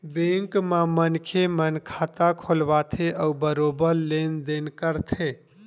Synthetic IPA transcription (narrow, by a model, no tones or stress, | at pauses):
bẽŋkmamənkʰemənkʰat̪akʰolbat̪ʰeʔəubəɾobəɾlend̪enkəɾt̪ʰe